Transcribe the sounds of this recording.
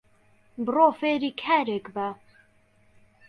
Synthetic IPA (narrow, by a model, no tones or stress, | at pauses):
bɨroːfeːɾiːkʰæɾekbæ